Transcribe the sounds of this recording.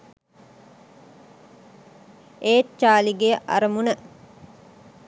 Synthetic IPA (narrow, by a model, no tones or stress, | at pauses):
eːt̪t͡ʃaːliɡejəʔa̰ɾəmunə